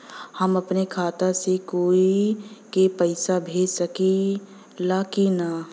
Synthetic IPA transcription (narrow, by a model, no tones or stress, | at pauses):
həmɐpnekʰaːt̪asekoːikepəɪsabʱeːsəki | laːkina